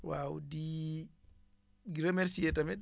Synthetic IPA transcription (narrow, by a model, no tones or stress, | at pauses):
wawdi | ɡiɾamɛɾsiɛtamɛɗ